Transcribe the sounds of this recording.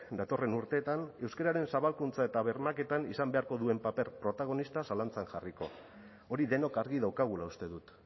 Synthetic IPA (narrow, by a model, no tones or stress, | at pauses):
d̪at̪o̞re̞nuɾt̪e̞ːt̪ane̞wskeɾaɾe̞nsaβalkunt͡sae̞t̪aβ̞e̞ɾmake̞t̪anisambe̞aɾko̞ðue̞mpape̞ɾpɾo̞t̪aɣ̞o̞nist̪asalant͡sanʝariko̞̰ | oɾiðe̞no̞kaɾɣiðawkaɣ̞ulaust̪e̞ðut̪